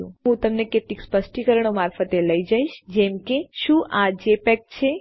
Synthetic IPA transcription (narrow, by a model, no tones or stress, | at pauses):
ṵ̃ɦũt̪əmneket̪likspəsʈikəɾəɳomaɾfət̪eləid͡ʒaiʃd͡ʒɛmkeʃũʔad͡ʒepɛk̚t͡ʃʰe